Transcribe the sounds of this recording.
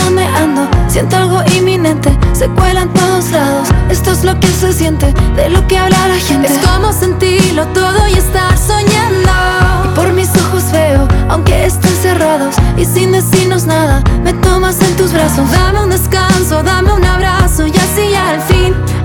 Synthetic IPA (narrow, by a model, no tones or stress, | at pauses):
nome̞ʔand̪osje̞nt̪oalɣo̞ʔimːinẽ̞nt̪e̞se̞kwe̞lant̪o̞ðo̞zlaðo̞se̞st̪o̞ezlo̞kese̞sje̞nt̪e̞ðelo̞ke̞aβlalaxent̪esko̞mo̞se̞nt̪iɾlo̞t̪o̞ðo̞je̞st̪aɾso̞ɲand̪oipo̞ɾmiso̞xo̞zβe̞oawŋke̞est̪ense̞raðo̞sisind̪esino̞znaðame̞t̪o̞mase̞nt̪uzβɾasosðameund̪eskanso̞ðame̞unaβɾasoʝasiaelfin